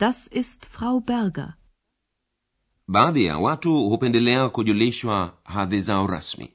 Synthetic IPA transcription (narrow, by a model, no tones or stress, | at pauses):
d̥asɪstfʁ̥aʊbɛɐɡɐ̰ | ɓaːðija̰watuhupɛndɛlɛakuʄuliʃwaɦaðizaɔɾa̰smḭ